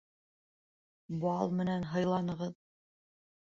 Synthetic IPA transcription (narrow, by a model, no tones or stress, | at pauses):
bɑlˠmɘ̆nænɦɤ̆jlˠɑnɤ̆ʁɤð